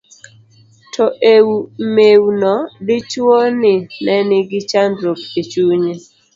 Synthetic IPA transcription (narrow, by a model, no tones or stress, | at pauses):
tʰɔʔewumewnɔdɪt͡ʃonɪnɛnɪɡɪt͡ʃandɾop̚et͡ʃuɲe